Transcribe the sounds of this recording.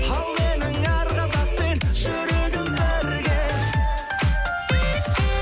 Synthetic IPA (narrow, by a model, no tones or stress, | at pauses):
hɑlˠmenɪŋɑɾʁɑzɑq̚penʒ̥ɵɾud̪ɪŋbɪæɾɡʲe